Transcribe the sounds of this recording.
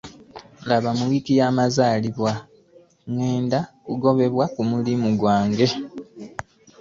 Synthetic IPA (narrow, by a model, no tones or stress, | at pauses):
laβamuwikijaːmazaːliβwa | ŋwe̞ːndakuɡo̞βe̞βwakumulimuɡwaːŋɡe̞